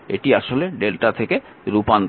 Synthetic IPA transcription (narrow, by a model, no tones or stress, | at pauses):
ḛʈiaʃoleɖelʈat̪ʰeke | ɾupan